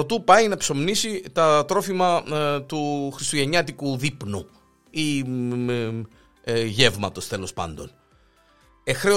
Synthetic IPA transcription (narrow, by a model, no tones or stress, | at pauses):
ot̪upɐinɐpso̞mnisit̪ɐt̪ɾo̞fimɐt̪uxɾist̪uʝe̞ɲɐt̪ikuðipnu | i | ʝe̞vmɐ̰t̪o̞st̪e̞lo̞spɐ̰nd̪o̞̰n | exɾe̞o